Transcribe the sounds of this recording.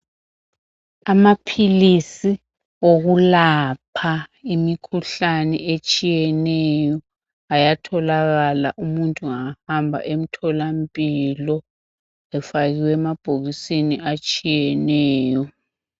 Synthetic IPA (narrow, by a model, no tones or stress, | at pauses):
amapʰilisi | oɣulapʰaimikʰuɬanɛ̰ʔet͡ʃʼijɛnɛjɔ | ajatʰɔlaɣala̰ʔumuntʼuŋahambʱa̰ʔem̩tʰɔlampʼilɔ | ɛfaɣiwɛmab̥ʱoɣisiniat͡ʃʼijɛnɛːjɔ